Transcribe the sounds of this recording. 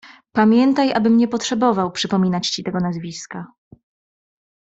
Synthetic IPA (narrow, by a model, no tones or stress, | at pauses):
pamʲjɛnt̪ajʔa̰bɘmɲɛpɔtʂɛbɔvawpʂɘpɔmʲinat͡ɕt͡ɕit̪ɛɡɔnazvʲiska